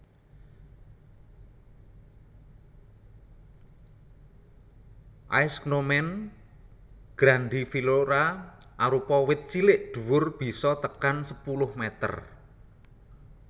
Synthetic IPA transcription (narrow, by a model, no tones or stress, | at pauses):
ʔa̰jsknomɛn | ɡ̥ɾand̪ifiloɾa | ʔaɾupɔwɪt̪̚t͡ʃilɪʔd̪̥ṳwʊrb̥i̤sɔt̪əkansəpulʊhmɛt̪ə̰r